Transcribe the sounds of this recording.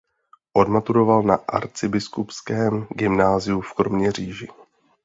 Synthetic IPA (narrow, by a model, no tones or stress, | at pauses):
ʔo̞dmat̪uɾo̞valnaʔa̰ɾt͡sɪbɪskupskɛːmɡɪmnaːzɪufkɾomɲɛr̝iːʒɪ